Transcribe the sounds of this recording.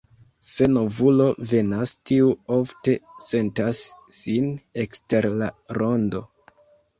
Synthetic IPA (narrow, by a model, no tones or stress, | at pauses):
se̞no̞vulo̞ve̞nastiuofte̞se̞ntasːine̞kste̞ɾlaɾo̞ndo̞̰